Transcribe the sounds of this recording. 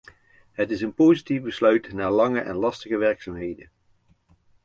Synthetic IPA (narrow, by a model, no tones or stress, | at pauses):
ɦətɪsənpowzitifbəslœɥtnaːɹlɑŋəʔɛ̰nlɑstəχəʋɛɹksaːmɦejdə